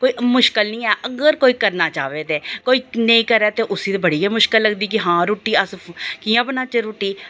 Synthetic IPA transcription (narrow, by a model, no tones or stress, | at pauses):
koːiːmʊʃkəlnĩːɛːʔəɡəɾkoːiːkəɾnaːt͡ʃaːʋeːd̪eːkoːiːneĩːkəɾɛːt̪eːʔʊsiːt̪ebəɽiːjaːmʊʃkəlːəɡd̪iːk̬ɪɦãːɾuːʈiːəskijãːbənaːt͡ʃeɾuːʈiː